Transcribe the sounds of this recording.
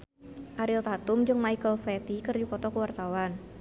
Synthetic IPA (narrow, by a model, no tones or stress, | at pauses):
ʔaɾilt̪at̪umd͡ʒɨŋmajkəlflɛt̪ikɨrdipɔt̪ɔkəwart̪awan